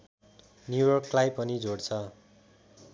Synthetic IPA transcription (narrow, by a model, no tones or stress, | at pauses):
njujʌrklajpʌnid͡zoɽt͡sʰʌ